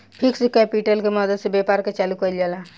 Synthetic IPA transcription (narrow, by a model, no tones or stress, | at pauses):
pʰiksekɛpiʈəlkeməd̪əd̪sebepaɾket͡ʃalukəld͡ʒalã